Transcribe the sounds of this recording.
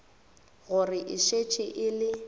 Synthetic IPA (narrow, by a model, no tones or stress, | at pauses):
ɣʊrɪʔɪʃet͡ʃʼɪʔɪlɪ